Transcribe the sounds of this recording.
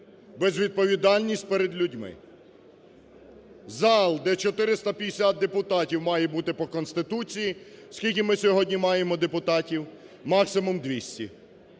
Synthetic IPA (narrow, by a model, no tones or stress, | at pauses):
bezʋʲid̪̚pɔʋʲid̪ɑlʲnʲisʲtʲpeɾed̪lʲʊdʲmɪ̰ | zɑlˠd̪ɛt͡ʃɔt̪ɪɾɪst̪ɐpʲij̪esʲat̪̚d̪epʊt̪ɑtʲiwmɑjɛbut̪ɪpɔkɔnst̪ɪt̪ut͡sʲiji̥skʲilʲk̬ʲimɪsʲɔɦɔdʲnʲimɑjemɔd̪epʊt̪ɑtʲiw | mɑksɪmʊmd̪ʋʲisʲtʲḭ